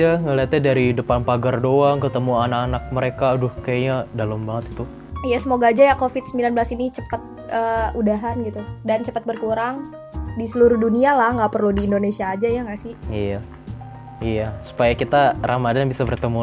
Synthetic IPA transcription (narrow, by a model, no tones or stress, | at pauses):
aŋəliat̪̚ɲadaɾidəpanpaɡardoaŋkət̪əmuanakanak̚məɾekadʊhkajaɲadalambaŋət̪i̥t̪u | ijasəmoɡad͡ʒajakofɪt̪̚səmbilanbəlasinit͡ʃəpət̪̚ | əudaɦanɡit̪udant͡ʃəpat̪̚bərkuɾaŋ | disəluɾʊuhdunialahŋɡapərludiːndonesiaːd͡ʒajaŋɡasɪhija | ijasu̥pajakit̪arʔamadanbisabərt̪əmu